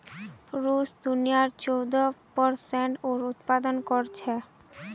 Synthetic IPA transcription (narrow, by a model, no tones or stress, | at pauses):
ɾusd̪unijaɾt͡ɕowd̪opɔɾseɳʈoɾut̪pad̪onkoɾt͡ɕʰe